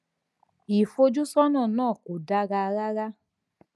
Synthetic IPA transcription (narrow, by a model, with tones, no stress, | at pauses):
i˨fo˧d͡ʒu˦sɔ˦nɔ̃˦˨nãː˦˨ko˨da˧ɡa˧ɾa˦ɾa˦